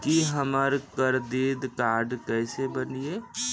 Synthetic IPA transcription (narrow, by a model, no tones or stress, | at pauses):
kiɦəməɾkəɾd̪iːd̪kaːɾɖkɛːsebənieː